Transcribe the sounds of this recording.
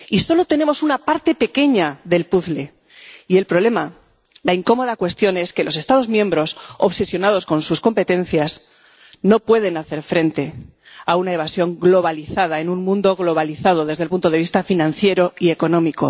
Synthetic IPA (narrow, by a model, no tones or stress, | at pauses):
iso̞lo̞t̪e̞ne̞mo̞sunapaɾt̪e̞pe̞ke̞ɲaðe̞lpuθle̞ | ie̞lpɾo̞βle̞ma | laiŋko̞mo̞ðakwe̞st̪jo̞ne̞ske̞lo̞se̞st̪aðo̞zmjẽ̞mbɾo̞soβse̞sjo̞nað̞o̞sko̞nsusko̞mpe̞t̪ẽ̞n̟θjas | no̞pwe̞ð̞e̞naθe̞ɾfɾe̞nt̪e̞ | aunaeβ̞asjo̞ŋɡlo̞βaliθað̞aenũnmũnd̪o̞ɣlo̞β̞aliθað̞o̞ðe̞zðelpunt̪oð̞e̞β̞ist̪afinãnθje̞ɾo̞ie̞ko̞nõ̞miko̞